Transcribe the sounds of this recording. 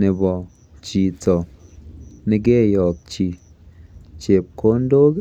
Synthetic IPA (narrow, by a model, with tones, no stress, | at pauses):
ne˨bɔ˨ | t͡ʃi˨t͡sɔ˨ | ne˨˦k̬e˦˨jɔ˨k̚t͡ʃi˨ | t͡ʃe˨p̚ko˦n˦do˦k